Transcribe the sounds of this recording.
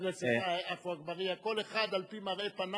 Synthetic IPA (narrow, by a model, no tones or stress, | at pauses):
ʁet͡seaafuaɡbaʁiako̞leχad̪alpimaʁʔe̞pana